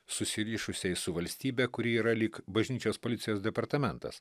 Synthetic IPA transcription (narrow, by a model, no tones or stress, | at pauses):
sʊsʲɪɾʲiːʃʊsʲɛɪsʊʋɐlʲsʲt̪ʲiːbʲɛkʊɾʲiiːɾɐlʲiːkbɐʒʲnʲiːt͡ʃʲoːspoːlʲɪt̪sʲɪjoːsd̪ʲɛpɐɾt̪ɐmʲɛnt̪ɐ̰s